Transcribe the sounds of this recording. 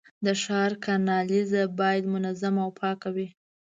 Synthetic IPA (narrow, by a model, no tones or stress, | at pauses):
d̪əʃɑɾkʰanɑlizabɑjad̪mʊnazamawpʰɑkawi